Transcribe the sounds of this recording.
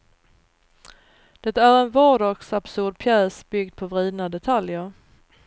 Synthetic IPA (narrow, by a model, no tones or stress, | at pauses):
d̪̥ɛt̪æɾɛnvɑːɖɑːɡsab̥sɵɖ̚pʰjɛːsb̥ʏɡd̪̚pʰɔvɾiːd̪nad̪ɛt̪ʰaljəɾ